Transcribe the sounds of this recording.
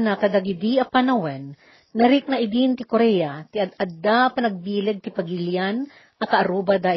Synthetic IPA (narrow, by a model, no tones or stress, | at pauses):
nɐkɐd̪ɐɡɪd̪iʔɐpanɐwɛnː | ɐɾɪk̚nɐʔɪd̪int̪ɪkoɾɛjat̪ɪɐd̪ʔɐd̪apɐnɐɡ̚biːlɛɡ̚t̪ɪpɐɡiljan | ʔɐkɐʔɐɾuːbɐd̪aʔ